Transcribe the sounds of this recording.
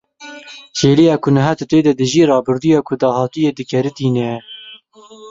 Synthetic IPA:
t͡ʃeːlijɑːkʰʊnɐɦæt̪ɨt̪eːd̪ɛd̪ɨʒiːrɑːbʊɾd̪ujɑːkʰʊd̪ɑːhɑːt̪ɨjɛd̪ɨkʰɛɾɨt̪iːnɛ

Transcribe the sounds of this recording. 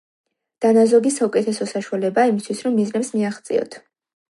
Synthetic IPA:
d̪̥anazɔɡisaukʼɛt̪ʰɛsɔsaʃualɛbaːimist̪ʰwisɾɔmːiznɛpsmiaχt̪sʼḭɔ̰t̪ʰ

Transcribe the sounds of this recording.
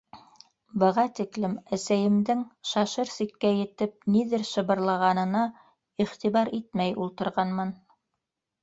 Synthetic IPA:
bɤ̆ʁɑt̪iklɘmæsæjɘ̆md̪ɘŋʃɑʃɤɾsikːæjɘ̆t̪ɘp̚niðɘɾʃɤ̆βɤ̆ɾlˠɑʁɑnɤ̆nɑ | iχt̪iβɑɾit̪̚mæjulˠt̪ɤ̆ɾʁɑnmɤn

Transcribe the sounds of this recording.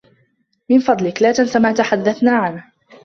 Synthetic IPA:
mɪnfɑd̪ˤlɪklaːt̪ansamaːt̪aħad̪ːaθnaːʕan

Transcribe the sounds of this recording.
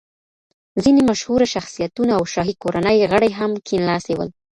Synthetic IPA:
zinemaʃhuɾaʃaxsijat̪unaːwʃɑɦikoɾanəjɣəɽajɦamkʰinlɑsewə̰l

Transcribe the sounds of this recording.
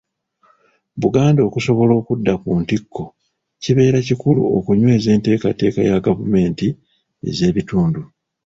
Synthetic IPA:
βuɡaːndo̞ːkuso̞βo̞lo̞ːkudːakuːntikʰːo̞ | ciβe̞ːɾacikulṵo̰kuɲwe̞ːze̞ːnte̞ːkate̞ːka̰jaɡavume̞ːnti | e̞̰ze̞ːβituːndu

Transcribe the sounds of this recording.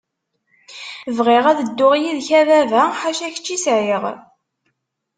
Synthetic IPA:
vʁɪʁæðəd̪ːʊʁjiðçævævæħaʃæçə̥t͡ʃːisʕiʁ

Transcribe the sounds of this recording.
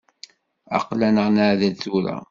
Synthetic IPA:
ɑ̰qlænəʁnaʕðæt͡sːuɾa̰

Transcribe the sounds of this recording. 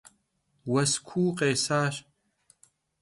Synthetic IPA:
wɐskʷʰuːqʼeːsaːʃ

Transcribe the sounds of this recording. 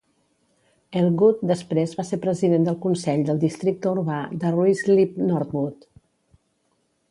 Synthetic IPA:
əlˠɣut̪̚d̪əspɾezβaseɾpɾəziðend̪əlˠkunsɛʎd̪əlˠd̪ist̪ɾik̚t̪əuɾβad̪əruizlip̚nɔɾt̪̚βut̪

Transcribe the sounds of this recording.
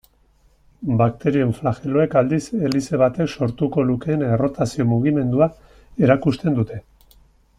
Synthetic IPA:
bakt̪e̞ɾie̞ɱflaxe̞lo̞e̞kald̪ise̞lise̞β̞at̪e̞kso̞ɾt̪uko̞luke̞ːne̞ro̞t̪asio̞muɣ̞ime̞nd̪ua | e̞ɾakust̪e̞nd̪ut̪e̞

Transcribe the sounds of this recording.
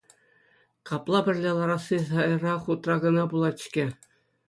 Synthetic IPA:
kɑplˠɑbʲɘ̆rʲlʲelˠɑɾɑsisɑjɤrɑχut̪rɑɡɤ̆nɑbulˠɑt̪ɕkʲĕ

